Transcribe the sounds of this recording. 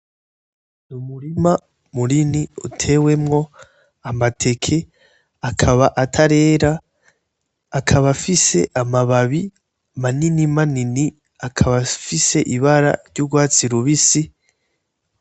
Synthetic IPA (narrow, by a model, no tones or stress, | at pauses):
numuɾima | muɾiniṵtʰe̞we̞mŋo̞ | amatʰe̞kʰe̞ | akʰaβaʔatʰaɾe̞ːɾa | kʰaβafise̞ʔamaβaβi | maninimanini | akʰaβafise̞ʔiβaɾa̰ɾɟuɡwaːt͡siɾuβisi